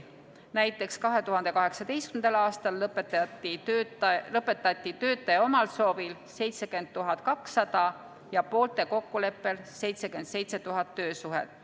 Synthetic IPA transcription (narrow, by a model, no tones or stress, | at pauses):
næjt̪ːˑe̞kskɑɦe̞t̪uɦɑnd̪e̞kɑɦe̞ksɑd̪e̞jst̪kymnd̪̥ɑlɑːst̪ɑlːɤpet̪ːt̪ːiølɤpːˑe̞t̪ːˑɑt̪ːit̪ø̞ːt̪ːˑeo̞mɑlso̞ːvil | se̞jt̪se̞ke̞nd̪̥̚t̪uɦɑt̪ˑkɑksːɑd̪̥ɑ | jɑpo̞ːlt̪ˑe̞ko̞kːule̞pːe̞lse̞jt̪se̞kend̪̥se̞jt̪se̞t̪uɦɑt̪ːø̞ːsuɦḛt̪ːˑ